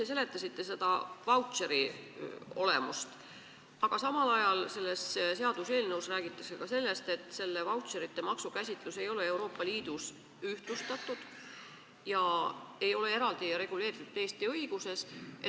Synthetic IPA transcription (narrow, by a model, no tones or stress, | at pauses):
t̪es̬e̞le̞t̪ːˑɑsit̪ːe̞se̞d̪̥ɑvɑwt̪seɾi | o̞̰le̞̰must̪ | ɑɡ̥ɑsɑmɑlɑjɑlse̞lːesse̞ɑd̪use̞ːlnɤwsræːɡit̪ːˑɑ̥kse̞kɑse̞lːe̞st̪et̪ːˑse̞lːe̞vɑwt̪seɾit̪ːe̞mɑksukæsʲit̪ˑluse̞jo̞le̞e̞wɾo̞ːpˑːɑliːd̪̥us | yht̪lust̪ɑt̪ːˑud̪̥ | jɑe̞jo̞le̞e̞ɾɑld̪̥iɾe̞ɡ̥ule̞ːɾit̪ud̪̥eːst̪iɤjɡ̥use̞s